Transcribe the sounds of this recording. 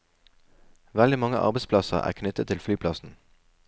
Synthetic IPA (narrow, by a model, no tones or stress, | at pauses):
ʋɛld̪ɪmɑŋəʔɑ̰ʁbɛɪspʰlɑsə̰ʁæ̰ːʁkʰnʏt̪ət̪ʰːɪlflyːpʰlɑsn̩